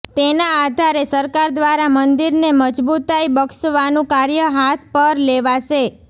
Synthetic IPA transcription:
t̪enaːd̪ʱaɾesəɾkaɾd̪ʋaɾamənd̪iɾneməd͡ʒbut̪ajbəksəʋanũkaɾjəɦat̪ʰpəɾleʋaʃe

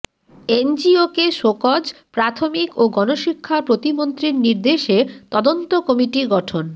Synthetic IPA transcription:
end͡ʑiokeʃokɔd͡ʑpɾat̪ʰomikoɡɔnoʃikʰːapɾot̪imont̪ɾiɾniɾd̪eʃet̪ɔd̪ont̪okɔmiʈiɡɔʈʰon

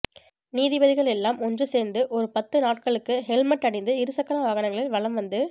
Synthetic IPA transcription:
niːðɪbɐðɪɣɐɭɛlːaːmɔndrɯseːɾnd̪ɯʔɔɾɯpɐt̪ːɯnaːʈ̚kɐɭɯkːɯhɛlmɐʈːɐɽɪnd̪ɯɪɾɯsɐkːɐnaʋɐɣɐnɐŋɡɐɭɪlʋɐɭɐmʋɐnd̪ɯ

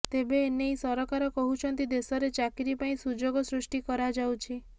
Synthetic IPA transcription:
t̪ebeːnejsɔɾɔkaɾɔkɔɦut͡ʃʰɔnt̪id̪esɔɾet͡ʃakiɾipaĩsud͡ʒoɡɔsɾusʈikɔɾad͡ʒawt͡ʃʰi

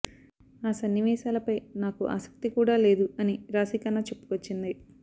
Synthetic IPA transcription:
aːsɐnːiʋɛːʃaːlɐpɐjnaːkuʔa̰ːsɐ̥k̚t̪ikuːɽaːle̞ːd̪uɐniɾaːsikɐnat͡ʃe̞pːu̥kʋot͡ʃːind̪i

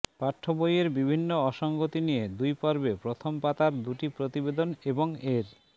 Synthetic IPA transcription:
paʈʰːobojeɾbibʱinːoɔʃɔŋɡot̪inijed̪ujpɔɾbepɾot̪ʰompat̪aɾd̪uʈipɾot̪ibed̪oneboŋeɾ

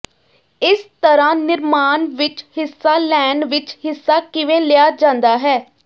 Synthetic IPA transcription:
ɪst̪əɾãːnɪɾmaːnʋɪt͡ʃhɪsːaːlɛːɳɖʋɪt͡ʃhɪsːaːkɪʋẽːlɪjaːd͡ʒãːnd̪aːɦɛː

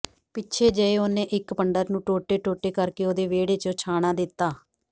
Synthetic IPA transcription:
pɪt͡ʃʰeːd͡ʒəeːoːnẽːʔɪkpəɳɖəɾnũːʈoːʈeːʈoːʈeːkəɾkeːoːd̪eːʋeːɽeːt͡ʃõːt͡ʃʰaːɽ̃ãːd̪ɪt̪ːaː

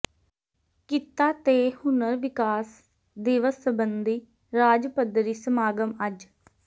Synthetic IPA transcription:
kɪt̪ːaːt̪eːhʊnəɾʋɪkaːs | d̪ɪʋəsːəbənd̪iː | ɾaːd͡ʒpəd̪ɾiːsəmaːɡəməd͡ʒ

